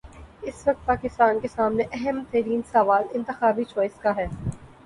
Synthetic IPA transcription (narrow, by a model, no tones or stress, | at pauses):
ɪsʋɐk̚t̪̚paːkɪst̪aːnkesaːmneʔɛɦɛmt̪ɛːɾiːnsɐʋaːlɪ̃nt̪ɪxaːbit͡ʃɔːɪskaɦɛː